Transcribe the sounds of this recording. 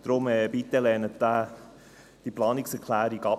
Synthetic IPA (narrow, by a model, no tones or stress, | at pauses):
d̥ɾʊmɛːbit̪ɛlɛːnətd̥̪a | d̥iplɑːnɪksɛɾkʰlæːɾiɡɑ